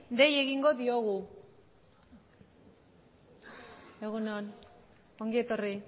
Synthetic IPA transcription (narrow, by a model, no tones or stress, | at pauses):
d̪e̞je̞ɣiŋɡo̞ðio̞ɣu | eɣuneon | oŋɡie̞t̪o̞ri